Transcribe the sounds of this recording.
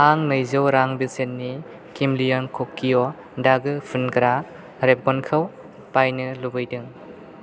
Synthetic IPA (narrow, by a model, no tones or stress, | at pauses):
aŋnɯjzɯwɾaŋbisenːi | kimlijɔnkʰokːijɔ | daɡɯpʰunkɯɾa | ɾep̚ɡɔnkʰɯw | pajnɯlubɯjdɯŋ